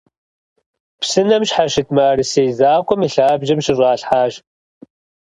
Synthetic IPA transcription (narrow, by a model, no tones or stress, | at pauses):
psɨnɐmɕħaʃɪt̚ʰmaːɾɨsejzaːkʷʼɔmiɬaːbʒɐmʃɪɕʷʼɑːɬħaːʒ